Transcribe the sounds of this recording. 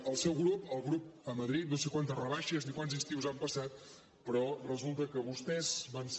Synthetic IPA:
əlˠsɛwɣɾupəlˠɣɾup̚əməðɾit̪nosekwant̪əzrəβaʃəznikwanzinst̪iwzampəsat̪ | pəɾɔrəzulˠt̪əkəβust̪ɛzβans

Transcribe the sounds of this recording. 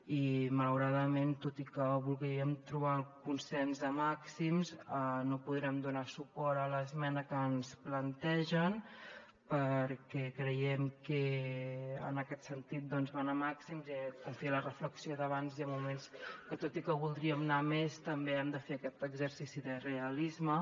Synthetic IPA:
imələwɾaðəment̪ot̪ikəβulˠɣɾiəmt̪ɾuβakunsɛnzðəmaksimzənopuðɾɛmd̪unasupɔɾələzmɛnəkəːnsplənt̪ɛʒən | pəɾkɛkɾəjɛmkɛ | ə̰nəkɛt̪sənt̪it̪̚d̪ɔnzβanamaksimzkumfilərəfləksioðəβanziəmːumenskət̪ot̪ikəβulˠd̪ɾiəmnamest̪əmbeɛmd̪əfeəkɛt̪əɡzəɾsisiðəreəlizmə

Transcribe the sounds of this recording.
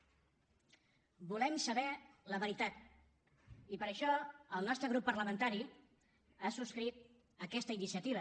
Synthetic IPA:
bulɛmsəβɛləβəɾit̪at̪ | ipəɾəʃɔəlˠnɔst̪ɾəɣɾupːəɾləmənt̪aɾi | asuskɾit̪̚ | əkɛst̪əinisiət̪iβə

